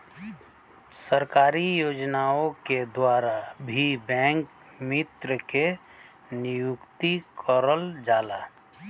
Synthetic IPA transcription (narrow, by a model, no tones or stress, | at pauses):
səɾkaːɾijoːd͡ʒnaõked̪waːɾabʱibɛ̃ːŋk | mɪt̪ɾəke | nɪjʊkt̪ikʰɔɾəld͡ʒaːla